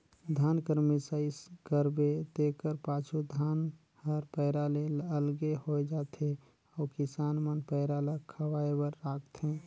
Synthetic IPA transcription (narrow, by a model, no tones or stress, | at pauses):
d̪ʱankəɾmisaiskəɾbet̪ekəɾpat͡ʃʰud̪ʱan | həɾpəɪɾaleləlɡehojd͡ʒat̪ʰe | ɔkisanmənpəɪɾalakʰəwaebəɾːakʰt̪ʰẽ